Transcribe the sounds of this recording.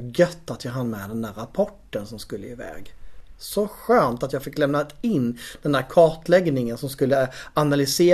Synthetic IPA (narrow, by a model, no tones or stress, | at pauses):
ɡœt̪ːat̪jɑːɦanːmɛd̪ɛnd̪æːɾapʰɔʈːənsɔmskɵlːəɪvɛ̰ːɡsɔɧœːmt̪at̪jɑːɡfɪkːlɛmnat̪ɪnːd̪ɛndæːɾkʰɑːʈlɛɡnɪŋənsɔmskɵlːəanalʏseː